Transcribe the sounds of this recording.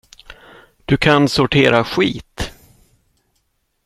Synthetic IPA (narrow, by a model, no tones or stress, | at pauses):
d̪̥ɵkʰansʊʈʰeːɾaɧiːt̪